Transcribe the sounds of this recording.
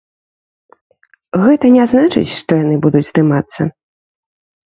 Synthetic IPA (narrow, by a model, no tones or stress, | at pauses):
ɣɛt̪ɐnʲɛznat͡ʂɨ̰t͡sʲʂt̪ɔjanɨbud̪ud͡zʲzd̪ɨmat̪sːɐ̰